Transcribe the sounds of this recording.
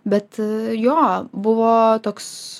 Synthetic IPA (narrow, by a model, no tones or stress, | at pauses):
bʲɛt̪joːbʊʋoːt̪oːks